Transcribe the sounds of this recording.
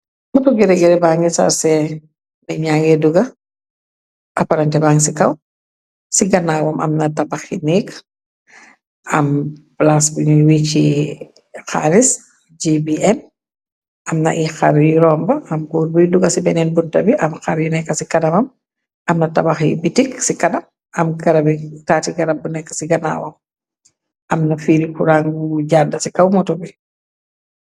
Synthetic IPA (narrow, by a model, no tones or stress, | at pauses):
mɐtuɡɛɾɛɡɛɾɛbaːŋɡisa̰ɾsɛ | mɛɲaːŋɡɛduɡɐ | ʔɐpaɾɐntɛbaːŋsikɐw | siɡɐnaːwɐmʔɐ̰mnɐtɐbɐxinɛːk | ʔɐmblasbiɲuwit͡ʃi | xa̰ɾis | d͡ʒibiʔɛn | ʔɐmnɐ̰ʔixa̰ɾjiɾɔmbɐʔɐmɡɔːɾbujduɡɐsibɛnɛnbuntɐbiʔɐmxaɾjunɛkːɐsikɐdɐmɐm | ʔɐmnɐtabaxibitiksikɐnɐm | ɐmɡɐɾɐbitaːtiɡɐɾab̚ːunɛkːɐ̥siɡɐna̰wɐm | ʔɐmnɐfiːɾikuɾaŋɡuɟadːɐsikawmɔtobi